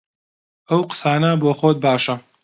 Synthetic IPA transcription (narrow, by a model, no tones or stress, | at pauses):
ʔɐwqə̥saːnɐboːxoːt̪̚baːʃɐ